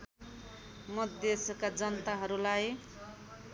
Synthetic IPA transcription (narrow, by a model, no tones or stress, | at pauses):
mʌd̪esʌkad͡zʌnt̪aɦʌɾulaj